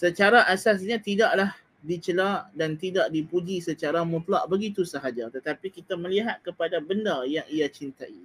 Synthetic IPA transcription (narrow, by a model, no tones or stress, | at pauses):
sət͡ʃaɾaʔasas̬ɲãt̪idaʔlah | dit͡ʃəlaʔdant̪idaʔdipud͡ʒisət͡ʃaɾamũt̪laʔbəɡit̪usəɦad͡ʒat̪ət̪apikit̪amə̃liɦat̪̚kəpadabəndajaŋijat͡ʃint̪aʔi